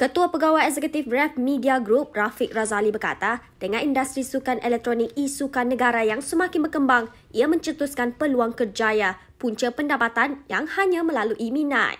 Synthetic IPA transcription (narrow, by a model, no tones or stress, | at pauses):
kət̪uapəɡawajɛzɛkut̪ɪfɾɛfmĩdiaɡɾup̚rafɪk̚razalibərka̰t̪ad̥əŋãnindast̪ɾisukanɛlɛk̚t̪ɾonik̚isukanːəɡaɾajaŋsəmãkɪnbərkəmbaŋ | ʔiamə̃ɲt͡ʃət̪uskanpəluaŋkərd͡ʒaja | puɲt͡ʃəpəndapat̪anjaŋhaɲãmə̃laluʔimĩnã̰t